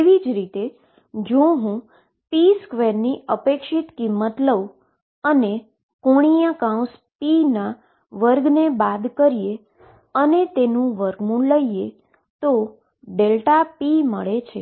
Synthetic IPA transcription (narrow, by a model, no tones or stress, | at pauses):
eʋid͡ʒɾit̪e | d͡ʒõɦũ | piskʋeɾniəpekʃit̪kimːət̪ləʋ | əne | koɽ̃ijãkãũs | pina | ʋəɾɡnebad̪kəɾije | ənet̪enũʋəɾɡmũləie | t̪o | ɖelʈapiməɭet͡ʃʰe